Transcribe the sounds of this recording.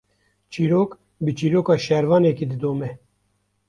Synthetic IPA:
t͡ʃiːɾoːk | bɨt͡ʃiːɾoːkɑːʃɛɾvɑːneːkid̪ɨd̪oːmɛ

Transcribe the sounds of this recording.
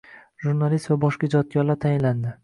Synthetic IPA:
ʒuɾnalist̪vabɒʃkad͡ʒɒt̪̚ɡʲɒɾlaɾt̪ʰajɪnland̪ɪ

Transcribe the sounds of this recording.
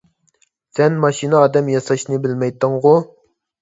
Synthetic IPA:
sɛnmɑʃinɨɑːd̪ɛmjɑsɑʃnɨbɪlmɛjt̪ːɨŋʁʊ

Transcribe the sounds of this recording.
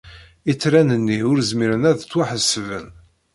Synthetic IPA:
it͡sːɾænənːiʊɾəzmiɾənæðt͡sːwaħəsːvə̰n

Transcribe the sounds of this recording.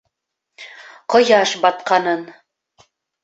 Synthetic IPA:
qŏjɑʃbɑt̪qɑnɤn

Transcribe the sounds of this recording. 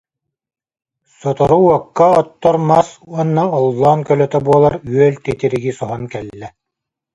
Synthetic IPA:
sɔt̪ɔɾuɔkːaɔt̪ːɔɾmasuɔnːaɔlˠːaːnkœlœt̪œbuɔlˠaɾyœlt̪ɛt̪iɾiɡisɔɦɔnkɛlːɛ

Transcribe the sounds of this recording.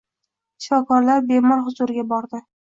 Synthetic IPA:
ʃɪ̥fɒkɒɾlaɾbe̞mɒɾhʊzʊɾɪɡʲabɒɾd̪ɪ

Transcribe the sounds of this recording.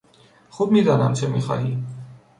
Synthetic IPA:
χub̚mid̪ɑnɑ̰mt͡ʃʰɛmiχɑ̰ɦi

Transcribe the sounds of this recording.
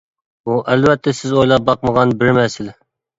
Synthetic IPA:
buʔælvɛt̪ʰːɛsɪzojlˠɑp̚bɑqməʁɑnbɪɾmɛsɪl

